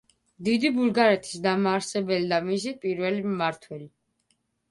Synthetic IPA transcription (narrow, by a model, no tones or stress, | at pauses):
d̪id̪ibuɾɡaɾɛt̪ʰi̥sd̪amaːɾsɛbɛlid̪amis̬ipʼiɾvɛlimaɾt̪ʰwɛli